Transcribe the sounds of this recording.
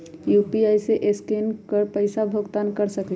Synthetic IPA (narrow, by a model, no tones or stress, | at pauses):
jupiajseʔeskenkəɾpəɪsabʱoɡt̪ankəɾsəkli